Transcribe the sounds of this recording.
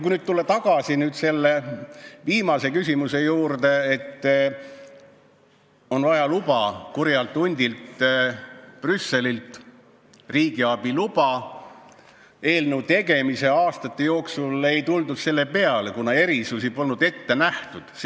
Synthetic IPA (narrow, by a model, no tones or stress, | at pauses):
kuinyːd̪̥̚t̪ulːe̞t̪ɑɡ̥ɑsinyːd̪se̞lːe̞viːmɑse̞kys̬ʲimuse̞juːrd̪e̞et̪ːˑ | o̞nvɑjɑlub̥ɑkurjɑlt̪ːˑunʲd̪̥ʲilt̪ | prysːe̞lilt̪ | riːɡ̥iɑb̥ilub̥ɑ | e̞ːlnewt̪e̞ɡ̥e̞mise̞ɑːst̪ɑt̪ːe̞jo̞ːksule̞jt̪uld̪ud̪se̞lːe̞pe̞ɑle̞kunɑe̞ɾisusipo̞lnud̪̥e̞t̪ːe̞næht̪ud̪̥s